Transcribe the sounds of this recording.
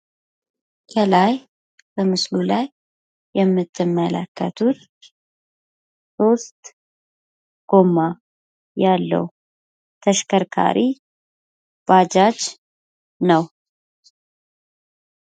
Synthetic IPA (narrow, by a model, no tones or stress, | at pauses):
kʰəlaj | b̥əmɨslulajː | ɛmːɨt̪ʰːɨmːələ̰kːə̰t̪ʰut̪ | so̞st̪ | ɡ̥o̞mːa | jalːə̰w | t̪ʰəʃkʰəɾkʰa̰ɾʔi | b̥ad͡ʒad͡ʒ | nəw